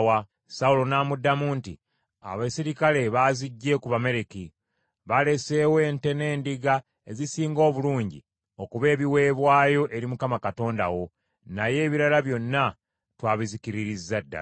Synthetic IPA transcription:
wa | saulo̞naːmudːamuːnti | a̰βasiɾikale̞βaːziɟːe̞kuβame̞ɾeki | βale̞se̞we̞ːnte̞ne̞ːndiɡa | e̞zisiːŋɡo̞ːβuluːɲɟḭ | o̞kuβe̞ːβiwe̞ːβwaːjo̞ʔe̞ɾimukamakato̞ːnda̰wo̞ | naje̞ːβiɾalaβjo̞nːa | twaːβizikiɾiɾizːadːa̰

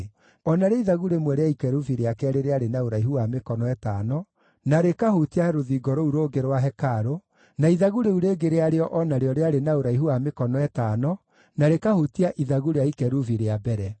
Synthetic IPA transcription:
ɔnaɾeiðaɣuɾemwɛɾeaikɛɾuviɾeakɛɾeɾeaɾenaoɾaiɦhuamekɔnɔɛtanɔ | naɾekahutiaɾoðiɡɔɾouɾoːɡeɾwaɦɛkaɾo | naiðaɣuɾeuɾeːɡeɾeaɾeɔʔɔnaɾeɔɾeaɾenaoɾaiɦuamekɔnɔɛtaːnɔ | naɾekahutiaʔiðaɣuɾeaikɛɾuviɾeabɛɾɛ

